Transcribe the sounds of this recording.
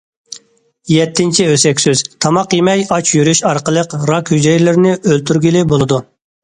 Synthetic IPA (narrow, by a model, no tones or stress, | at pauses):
jɛt̪ʰːɪnt͡ʃʰiøsɛkʲsyz̥t̪ʰɑmɑqjemɛjɑt͡ʃʰjyɾyʃɑɾqəlˠəqɾɑkʲhyd͡ʒɛjlɪɾnɪʔølt̪ʰyɾɡʲilɪbolˠɨd̪u